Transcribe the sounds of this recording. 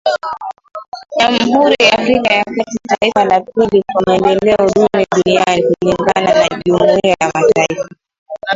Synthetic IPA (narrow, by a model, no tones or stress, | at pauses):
ʄam̩ɦuɾijaafɾikajakatitaifalap̚ilikwamɛndɛlɛɔɗuniaɗunianikuliŋɡa̰nanaʄumiajamataifa